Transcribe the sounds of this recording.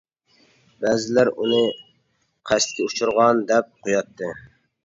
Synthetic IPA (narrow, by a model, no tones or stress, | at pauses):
bæːzɪlæɾunɨ | qʰæst̪̚kʲɛut͡ʃʰʊɾʁɑnd̪ɛp̚qʰojɑt̪ʰːɨ